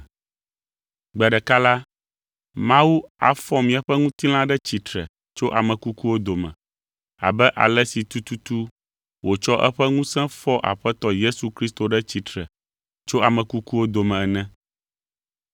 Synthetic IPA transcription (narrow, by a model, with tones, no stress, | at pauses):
ɡ͡bɛ˨ɖɛ˨ka˦la˦ | mã˦wu˦a̰˨fɔ˦mĩ˨a˨ɸɛ˦ŋũ˦t̪i˦l̃ã˦ɖɛ˦t͡ɕi˨t̪ɾɛ̰˨ | t͡ʃo˦ʔa˨mɛ̃˨ku˦ku˦wo˦d̪o˨mɛ̰̃˨ | a̰˨bɛ˦ʔa̰˨lɛ˦si˨t̪u˦t̪u˦t̪u˦ | wo˨t͡ʃɔ˦ʔɛ˦ɸɛ˦ŋũ˦sɛ̃˦fɔ˦ʔa̰˨ɸɛ˦t̪ɔ˦je˦su˨kɾi˦st̪o˨ɖɛ˦t͡ɕi˨t̪ɾɛ˨ | t͡ʃo˦a˨mɛ̃˨ku˦ku˦wo˦d̪o˨mɛ̃˨ɛ˨nɛ̃˦